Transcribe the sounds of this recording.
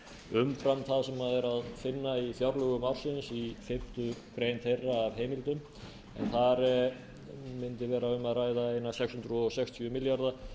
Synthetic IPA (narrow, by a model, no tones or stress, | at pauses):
ʏmfɾamθaðsɛmːaðɛɾaðfɪnːaiθjaɾlœɣʏmawɾ̥sɪnsifɪm̥t̪ʏkɾejnt̪θejrːaːvɦeːjmɪlt̪ʏm | ɛ̰nθaɾ | mɪnt̪ɪvɛːɾaʏmːaðraːjðaejnasɛkshʏnt̪ɾʏɔsɛkst̪ʰjœmɪljaɾða